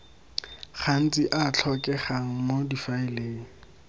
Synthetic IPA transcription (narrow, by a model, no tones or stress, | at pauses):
χan̩t͡sʼiʔat͡ɬʰɔkʼɛχaŋ̩modifaɪleːŋ̩